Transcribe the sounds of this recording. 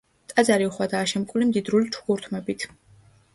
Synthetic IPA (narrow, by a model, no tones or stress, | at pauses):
t̪ʼad̪zaɾiuχwad̪aːʃɛmkʼulimd̪id̪ɾulit͡ʃʰu̥ɡuɾt̪ʰmɛbit̪ʰ